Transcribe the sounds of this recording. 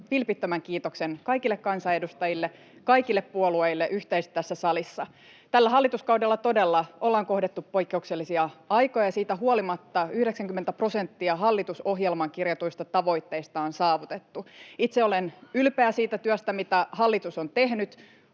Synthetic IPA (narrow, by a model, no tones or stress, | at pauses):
ʋilpit̪ːømæŋkiːt̪oksenkɑjkilːekkɑnsɑedust̪ɑjilːe | kɑjkilːeppuolue̞ilːeʔyht̪eist̪t̪æsːæsɑlisːɑ | t̪ælːæɦɑlːit̪uskɑudelːɑt̪o̞delːɑʔo̞lːɑːŋko̞hdet̪ːuppo̞jkːeukselːisiɑɑjkojɑsiːt̪æɦuolimɑt̪ːɑyhdeksæŋkymːent̪æpro̞se̞nt̪ːiɑɦɑlːit̪uso̞ɦjelmɑŋkirjɑt̪uist̪ɑt̪ɑʋo̞it̪ːe̞ist̪ɑonsɑːʋut̪et̪ːuit̪seo̞lenylpeæsiːt̪æt̪yøst̪æmit̪æhɑlːit̪uso̞nt̪e̞ɦnyt̪